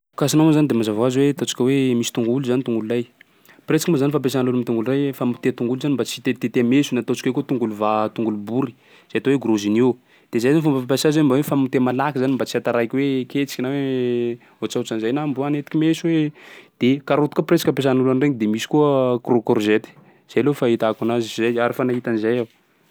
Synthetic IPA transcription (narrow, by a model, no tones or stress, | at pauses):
kasinawazanid̪emazavazwet̪ot͡si̥kʲəwemisi̥t̪uŋɡuluzanit̪uŋɡululaj | pret͡sikimuzanifapes̬anlulumit̪uŋɡulrajfamut̪et̪uŋɡuluzanimbat͡si̥t̪et̪et̪emesunat̪ot͡ʃi̥kʲwekut̪uŋɡuluvat̪uŋɡulubuɾi̥ | z̥ajat̪oweɡuɾozini | d̪̥ezajzanfumbafapasazanimbawefamut̪emalakizanimbat͡siat̪aɾakʲweket͡si̥kʲinawe | ɦot͡sat͡sanizajnambuanet̪i̥kʲimesuwed̪̥ekaɾot̪u̥kapret͡sakapes̬anlulanreŋid̪emisi̥kuəkrokorzet̪i̥ | z̥ajlofait̪akunazizajaɾifanaɦit̪anizajaw